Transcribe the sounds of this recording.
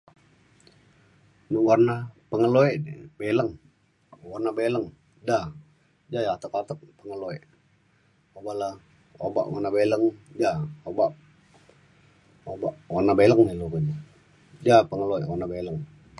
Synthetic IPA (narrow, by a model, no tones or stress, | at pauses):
nuwarnapəŋəloɛʔdibeləŋ | warnabeləŋ | da | d͡ʒajaat̪əkat̪ək̚pəŋəloeʔ | obaʔla | oba̰ʔwarnabeləŋd͡ʒaobaʔ | obaʔwarnabeləŋniluɾin | d͡ʒapəŋəloɛʔwarnabeləŋ